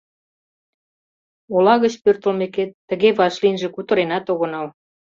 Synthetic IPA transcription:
olɑɣət͡ɕpørt̪ə̆lmeket̪ːə̆ɣeβɑʃlinʒĕkut̪ə̆ɾenɑt̪oɣə̆nɑl

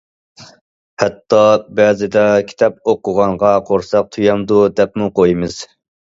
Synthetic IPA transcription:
hɛt̪ːɑbɛːzɪd̪ɛkʲʰi̥t̪ʰɑp̚oqʊʁɑɴʁɑqʰoɾsɑq̚t̪ʰujɑmd̪ud̪ɛpmuqʰojmɨz̥

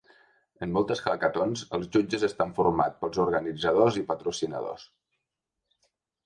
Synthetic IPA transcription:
ənːɔlˠt̪əskakət̪onzəlˠzʒud͡ʒəzəst̪aɱfuɾma̰tpəlˠzuɾɣənid͡zəð̞ozipət̪ɾusinə̰ðo̰s

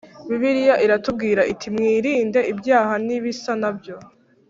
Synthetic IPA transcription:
βiβiɾijaʔiɾatub̚ɡiːɾaʔitʰimŋiːɾiːnde̞ibjaːhaniβisanabjo̞

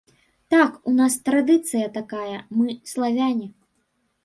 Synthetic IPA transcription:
t̪akunast̪ɾad̪ɨt̪sɨjɐt̪akajɐmɨslˠavʲanʲi

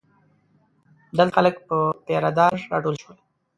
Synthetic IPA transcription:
d̪alxaləkpəpeɾad̪ɑɾːɑ̰ʈolʃwəl

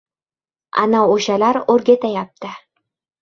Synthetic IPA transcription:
a̰naoʃalaɾoɾɡʲet̪ajap̚t̪ɪ

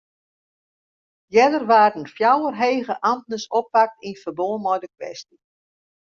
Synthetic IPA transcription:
jɛdərʋaːdənfjawərɦejɣəʔamtnəsɔpːak̚tinfərboəmɔjdəkʋɛ̰sti

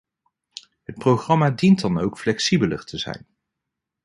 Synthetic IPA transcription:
ɦət̚prowχrɑmaːdintdɑnowkflɛksibələ̰ɹtʰəzɛ̰jn

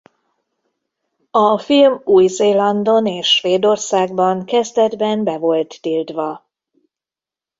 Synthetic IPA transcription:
ɒfilmuːjzeːlɒnd̪o̞neːʃːʋeːd̪o̞rsaːɡbɒŋkɛzd̪ɛd̪bɛnbɛvo̞lt̪ːilt̪ʋɒ

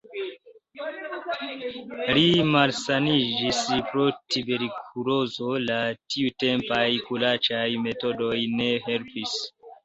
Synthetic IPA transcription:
limalsanid͡ʒispɾo̞tʰibe̞ɾikʰulo̞zo̞latiute̞mpajkulat͡ʃajme̞to̞do̞jne̞ɦe̞lpis

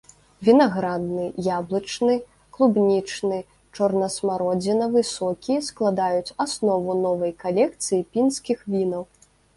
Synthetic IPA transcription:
vʲinaɣɾad̪̚nɨjablˠɐt͡ʂnɨ | klˠubnʲit͡ʂnɨ | t͡ʂɔrnɐsmaɾɔd͡zʲɛnɐvɨsɔkʲijɛsklˠad̪ajut͡sʲasnɔvunɔvɐjkalʲɛk̚t̪sɨjipʲinskʲixvʲinɐw

